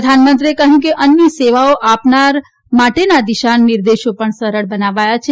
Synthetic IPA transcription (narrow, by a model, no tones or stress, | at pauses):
əd̪ʱanmə̃nt̪ɾiekəɦũkeʔənjəseʋaoʔapnaɾ | maʈenad̪iʃanːɪɾd̪eʃopəɳsəɾəɭbənaʋajat͡ʃʰe